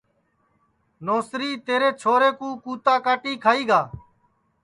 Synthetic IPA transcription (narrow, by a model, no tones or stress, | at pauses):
noːsɾiːt̪eːɾeːt͡ʃʰoːɾeːkũːkuːt̪aːkaːʈiːkʰaːiːɡaː